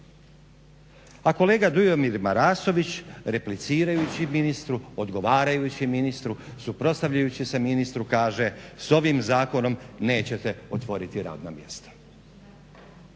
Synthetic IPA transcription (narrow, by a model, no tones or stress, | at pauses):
ako̞le̞ːɡad̪ujomiɾmaɾaːso̞ʋit͡ɕɾe̞plit̪siːɾajut͡ɕiminist̪ɾuo̞d̪ɡo̞ʋaːɾajut͡ɕiminist̪ɾusupɾo̞tst̪aʋʎajut͡ɕise̞minist̪ɾukaːʒe̞so̞ʋimzaːko̞no̞mne̞ːt͡ɕe̞t̪e̞o̞t̪ʋo̞ɾit̪iɾa̰ːd̪namje̞̰st̪ḁ